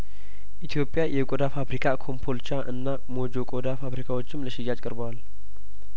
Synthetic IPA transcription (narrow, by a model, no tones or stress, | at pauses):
ʔit̪ʰjo̞pʼːjajɛkʼod̪afabɾikʰakʰo̞mpʰo̞lt͡ʃaʔɨnːa | mo̞d͡ʒo̞kʼod̪afaβɾikʰawo̞t͡ʃːɪmləʃɪjat͡ʃʼkʼɨɾbəwal